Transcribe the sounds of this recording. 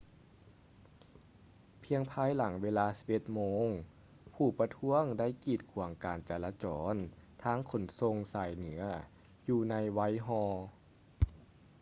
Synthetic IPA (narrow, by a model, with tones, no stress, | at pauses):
pʰi˧əŋpʰaː˧˥jla˩˦ŋweː˧laː˧si̥˨˧˦p̚ʔe˧˦t̪̚moː˧˥ŋ | pʰuː˨˩pa˧t̪ʰu˧˥əŋda˥˩˨jkiː˨˩t̪̚kʰu˨˩˦əŋkaː˨˩nt͡ɕɛː˨˩laː˧t͡ɕɔː˩˦nt̪ʰaː˧˥˨ŋkʰo˨˩˦nso˧ŋsaː˨˩jnɯ˨˩˦ɐ | juː˧na˧jwa˧˥jɦɔː˧